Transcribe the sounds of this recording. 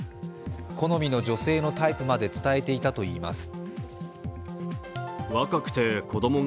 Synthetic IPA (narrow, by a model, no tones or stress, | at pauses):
ko̞no̞mʲino̞d͡ʑo̞se̞ːno̞t̪aipɯ̟mad̪e̞t͡sɨ̥t̪ae̞t̪e̞it̪at̪o̞iːma̰sɨ̥ | βakakɯ̟̥t̪e̞ko̞d̪o̞mo̞